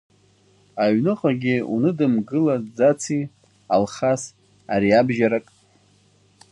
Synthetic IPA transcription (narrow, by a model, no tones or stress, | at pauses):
aɥnɨqʼaɡʲɪṵnɨdɨmɡɨlad͡zat͡sʰi | alχas | aɾiabʒaɾakʼ